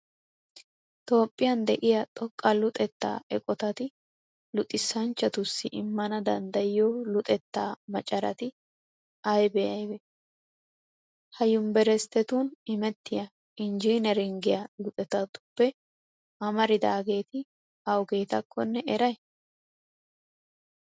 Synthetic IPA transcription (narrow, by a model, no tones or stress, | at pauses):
t̪o̞ːpʼːɪjɐnd̪ɛʔɪjɐt̪ʼɔkʼːɐlʊt̪ʼɛt̪ːa̰ːɛ̰kʼɔt̪ɐt̪ɪ | lʊt̪ʼːɪsːɐnt͡ʃːɐt̪ʊsːɪʔɪmːɐnɐd̪ɐnd̪ɐjɪjoːlʊt̪ʼɛt̪ːaːmɐt͡ʃʼɐɾɐ̰t̪ɪ | ɐjbɛjɐjbɛ | hɐjʊmbɛɾɛst̪ːɛt̪uːnɪmɛt̪ːɪjɐ | ɪnd͡ʒiːnɛɾɪŋɡɛjɐlʊt̪ʼɛt̪ɐt̪ʊ̥pːɛ | ɐmɐɾɪd̪aːɡe̞ːt̪ɪ | ɐwʊɡe̞ːt̪ɐkʰːɔnːɛʔɛɾɐj